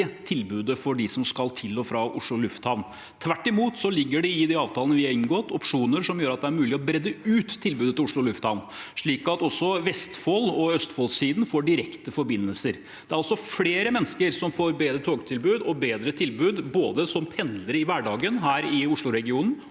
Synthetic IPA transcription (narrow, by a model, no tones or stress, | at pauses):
ət̪ʰɪlbʉːd̪əfɔɖɪsɔmskɑlt̪ʰɪlːɔːfɾɑʔʊʂɭʊlʉft̪hɑʋn | t̪ʰʋæʈːɪmuːt̪sɔlɪɡːəɖɛɪd̪ɛɑːʋt̪ʰɑːlənəʋɪɑɾɪnɡoːt̪ʰɔpʂuːnəɾʂɔmjøːɾɑt̪̚d̪ɛæɾmʉːlɪɔbɾɛd̪ːəʉːt̪ʰːɪlbʉːd̪ət̪ɪʊʂɭʊɔlʉft̪hɑʋnʂɭiːkɑt̪ɔsːɔʋɛst̪folɔœst̪foːlsiːd̪n̩foːɖɪɾɛkt̪əfɔɾbɪnːəlsəɾ | d̪ɛæɾɑlsɔfleːɾəmɛnːskəɾsɔmfoːɾbeːd̪ɾət̪ʰoːɡt̪ʰɪlbʉːd̪ɔbeːd̪ɾət̪ʰɪlbʉːd̪boːd̪əsɔmpʰɛnd̪ləɾɪʋæɖɑːɡənɦæːɾɪʊʂɭʊɾɛɡɪuːnn̩